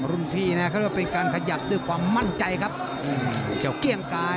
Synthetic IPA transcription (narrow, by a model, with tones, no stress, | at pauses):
ɾu˧˩npʰiː˥˩na˦˥kʰːwa˥˩pe˧nkaː˧nkʰa˧ja˨˩p̚d̪u˥˩əjkʰwaː˧mːa˥˩nt͡ɕa˧jkʰa˦˥p̚ | ʔɯː˧˩ki˨˩˦wki˧˩əŋkaː˧